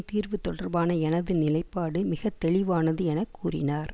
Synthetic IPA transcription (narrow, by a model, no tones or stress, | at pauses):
t̪iːrʋɯt̪ːɔɽɐrbaːnɐɛnɐðɯnɪlɐɪpːaːɽɯmɪɣɐt̪ːɛɭɪʋaːnɐðɯɛnɐkːuːrɪ̰naːɾ